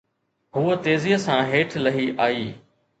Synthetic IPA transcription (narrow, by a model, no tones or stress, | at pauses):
ɦʊət̪eːziːəsãɦeːʈʰlɐɦiʔaːiː